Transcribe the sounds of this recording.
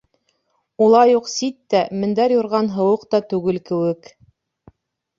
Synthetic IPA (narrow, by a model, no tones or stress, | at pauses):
ulˠɑjuqsit̪ːæmɘ̆nd̪æɾjŏɾʁɑnɦɤ̆wɤqt̪ɑt̪ʉɡɘlkɘ̆wɘk